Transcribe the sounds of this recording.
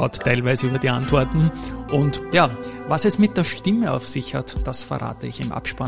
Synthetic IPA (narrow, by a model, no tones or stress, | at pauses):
aʊttʰːæɪlvæɪzəyːbɐdiːʔãntv̥ɔɐtn̩ʔʊntjaːvasɛsmɪt̚d̥eːɐʃtɪməa̰ʊfsɪçha̰td̥asfəɐʁa̰ːtəɪçɪmʔa̰pʃpa